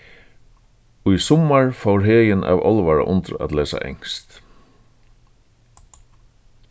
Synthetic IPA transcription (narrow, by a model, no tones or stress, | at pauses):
ʊjsɔmaɹfawɾɦeːjɪna̰ːvɔlʋaɹa̰ʔʊnt̪ɾa̰t̪lɛːsa̰ʔɛ̰ŋst̪